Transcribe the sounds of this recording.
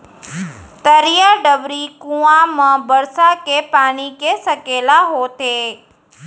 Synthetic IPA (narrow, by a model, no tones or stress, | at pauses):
t̪əɾijaɖəʋɾikũãmãbəɾsakepaːɽ̃ikesəkelaɦot̪ʰeː